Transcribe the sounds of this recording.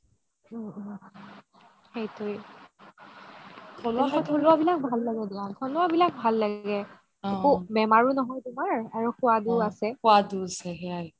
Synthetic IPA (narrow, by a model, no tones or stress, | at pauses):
xejtʊj | tʰolaɦɔoluabilak̚bʱalːaɡɛdiatʰɔnʊabilak̚bʱalːaɡɛ | ubɛmaɹunɔɦɔjtʊmaɹaɹuxʊwaduasɛkʊaduasɛɦɛaj